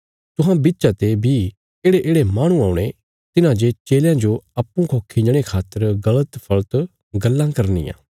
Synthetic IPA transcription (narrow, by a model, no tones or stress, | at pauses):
t̪ʊɦãbitːʃat̪ebi | eːɽeʔeːɽemaːɽ̃ũaːũɽ̃e | t̪ɪnãd͡ʒet͡ʃeːljãd͡ʒoɐpːũkʰokʰɪ̃ɲd͡ʒɽ̃ekʰaːt̪ːəɾɡɐlət̪pʰɐɭt̪ | ɡɐlːãkɐɾnḭjã̰ː